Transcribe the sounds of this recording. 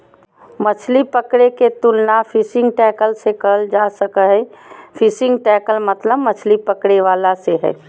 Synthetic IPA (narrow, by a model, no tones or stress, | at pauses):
mət͡ʃʰlipəkɽeket̪ʊlnafʰɪsɪ̃ŋɡ̚ʈɛːkəlsekəld͡ʒaːsəkəɦɛ̃fʰɪsɪ̃ŋɡʈɛːkəlmət̪ləbmət͡ʃʰlipəkɽeʋaːlaseɦɛ̰ː